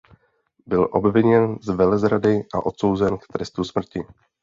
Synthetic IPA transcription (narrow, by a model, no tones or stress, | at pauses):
bɪlʔo̞bvɪɲɛnzvɛlɛzɾadɪʔa̰ʔo̞t̪so̞wzɛnkt̪ɾɛst̪usmr̩cɪ